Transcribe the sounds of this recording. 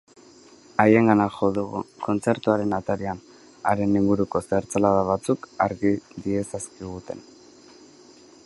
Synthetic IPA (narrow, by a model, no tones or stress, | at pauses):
aje̞ŋɡanaxoðuɣṵko̞nt͡se̞ɾt̪uaɾe̞nat̪aɾian | aɾe̞niŋɡuɾuko̞seɾt͡salaðaβ̞at͡sukaɾɣid̪ie̞saskiɣ̞ut̪e̞n